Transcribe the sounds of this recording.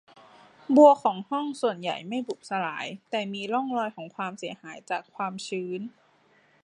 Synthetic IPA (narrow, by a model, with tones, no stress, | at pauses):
bu˧əkʰɔː˩˦ŋhɔ˥˩ŋsu˨˩ənja̰˨˩jma˥˩jbu˨˩p̚sa˧la̰ː˩˦jt̪ɛː˨˩miː˧lɔ˥˩ŋlɔː˧jkʰɔː˩˦ŋkʰwaː˧msi˨˩˦ɐhaː˩˦jt͡ɕaː˨˩kʰwaː˧mt͡ɕʰɯː˨˧˥n